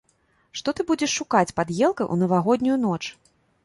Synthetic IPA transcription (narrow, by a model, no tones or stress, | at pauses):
ʂt̪ɔt̪ɨbud͡zʲɛʂːukat͡sʲpad̪jɛlˠkɐjʔṵnɐvaɣɔd̪ʲnʲujunɔt͡ʂ